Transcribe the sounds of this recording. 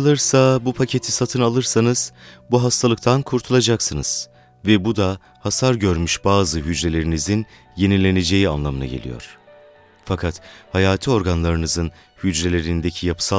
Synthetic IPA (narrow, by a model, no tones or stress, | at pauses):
lˠɯɾsabupʰacʰe̞t̪ʰisat̪ʰɯnalˠɯɾsanɯz̥buɦast̪ʰalˠɯk̚t̪ʰankʰuɾt̪ʰulˠad͡ʒaksɯnɯz̥ | vɛbud̪a | hasaɾɟøɾmyʃbaːzɯɦyd͡ʒɾe̞lʲe̞ɾinizin | je̞nilʲe̞ne̞d͡ʒe̞jia̰nlˠamɯna̰ɟelʲḭjo̞̰ɾ̥ | fakʰat̪hajaːt̪ʰio̞ɾɡanlˠaɾɯnɯzɯn | hyd͡ʒɾelʲe̞ɾind̪ecʰijapʰɯ̥sa